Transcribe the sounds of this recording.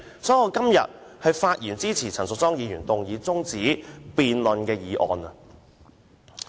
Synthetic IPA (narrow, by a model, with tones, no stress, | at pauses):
sɔː˨˥jɐ˨˧wkɐ˥mjɐ̰˨t̚hɐ˨˧jfaː˧t̚jiː˨˩nt͡siː˥t͡sʰiː˨˩t͡sʰɐ˨˩ŋsʊ˨k̚t͡sɔː˥ŋjiː˨˧jyː˨˩nt̪ʊ˨ŋjiː˨˧t͡sʊ˥ŋt͡siː˨˥piː˨nlɵ˨˧nkɛː˧jiː˨˧ʔɔ̰ː˨nɐ˨